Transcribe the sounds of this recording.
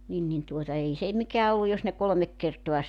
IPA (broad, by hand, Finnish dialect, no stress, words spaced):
nin nin tuotɑ ei se mikæː olːuj jos ne kolŏmek kertoɑ